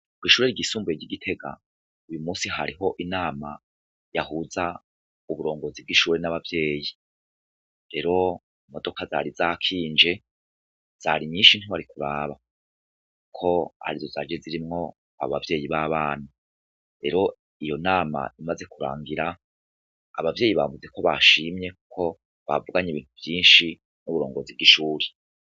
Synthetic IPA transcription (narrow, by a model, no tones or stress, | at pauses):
kwiːʃuːɾe̞ɾɡisuːmbujeɾɟiɡitʰe̞ɡa̰ | ujumuːsiɦaɾiɦo̞ʔinaːma | jahuza | uβuɾo̞ːŋɡozib̚ɡiʃuːɾenaβavje̞ːji | ɾe̞ɾo̞ | imo̞do̞kaza̰ɾizaːkʰiːnd͡ʒe̞ | z̥aɾiɲiːnʃin̥hiβaɾikuɾaːβa | kukʰo̞a̰ɾizoza̰d͡ʒeziɾimŋo̞ | a̰βoβavje̞ːjiβaβaːn̥a | ɾe̞ɾo̞ | ijo̞naːma̰imaze̞kuɾa̰ːŋɡiɾaː | βavje̞ːjiβa̰vuze̞ko̞βa̰ʃimɲe̞kukʰo̞ | βa̰vuɡaɲeβiːn̥huvjiːnʃi | nuβuɾo̞ːŋɡo̞zibɡiʃuːɾe